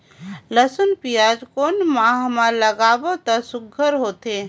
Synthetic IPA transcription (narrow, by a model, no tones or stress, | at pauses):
ləsənpijaːd͡ʒkoːnmaːɦmaləɡaːbot̪asʊɡʱːəɾɦoːt̪e